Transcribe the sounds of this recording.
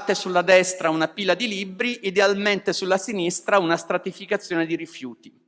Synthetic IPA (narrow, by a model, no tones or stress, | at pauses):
t̪ːesulːad̪ɛst̪ɾaunapilːad̪ilibɾiʔid̪ealment̪esulːasinist̪ɾaunast̪ɾat̪ifikat̪sːjoːned̪iɾifjuːt̪i̥